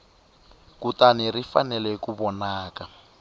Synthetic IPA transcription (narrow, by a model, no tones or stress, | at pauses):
kutanirifa̰nɛlɛkuβɔnaːka